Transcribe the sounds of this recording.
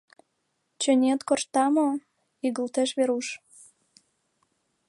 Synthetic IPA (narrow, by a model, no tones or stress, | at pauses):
t͡ɕø̆nʲet̪korʃt̪ɑmo | iɣəlt̪eʃβeɾuʃ